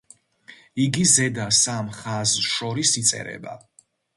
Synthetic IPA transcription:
iɡizɛd̪asamχazʃɔɾisit̪sʼɛ̰ɾɛ̰ba̰

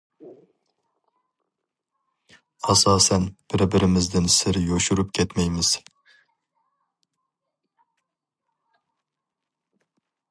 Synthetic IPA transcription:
ɑsɑːsɛnb̥ɪɾbɪɾɪmɪzd̪ɪnsɪɾjoʃuɾupkʲʰɛt̪mɛjmɪz̥

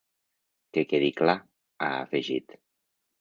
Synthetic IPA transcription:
kekeðikla | a̰a̰feʒit̪

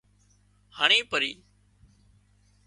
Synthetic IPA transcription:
haːɳ̃iːpəɾiː

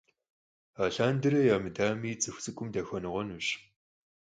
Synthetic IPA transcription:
aːɬaːndɨrɐjaːmɨdaːmiːt͡sʼɨxʷt͡sʼɨkʷʼʊmdɐxɔnɨʁʷɔnuɕ

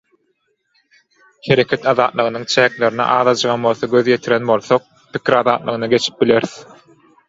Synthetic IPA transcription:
he̞ɾe̞kʰʲet̪ɑðɑːt̪lˠɯʁɯnɯŋt͡ʃʰæːkle̞ɾinḭʔɑːðɑd͡ʒɯʁɑnbo̞lˠθoɡʲøðje̞t̪ʰiɾenbo̞lˠθoq̚ | pi̥kʲʰiɾɑðɑːt̪lˠɯʁɯnɑɡe̞t͡ʃʰi̥p̚bile̞ɾθ

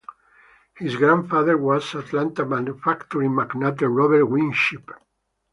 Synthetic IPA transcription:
hizɡɾãnfaðəɾwasat̪lãnt̪amãnufakt̪ɔɾimaknat̪̬eɹɔβɛɾwĩnʃip

